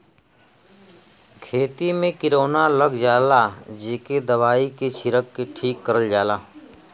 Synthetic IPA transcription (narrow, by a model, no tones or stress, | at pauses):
kʰeːt̪imẽkɪɾoːnaləɡd͡ʒaːlad͡ʒeːked̪əʋaːiket͡ʃʰɪɾəkːeʈʰiːkːəɾəld͡ʒaːlaː